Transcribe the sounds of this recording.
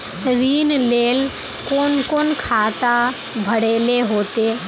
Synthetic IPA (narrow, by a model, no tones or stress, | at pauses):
ɾiːnleːl | konkonkʰaːt̪a | bʱəɽeːleɦoːt̪e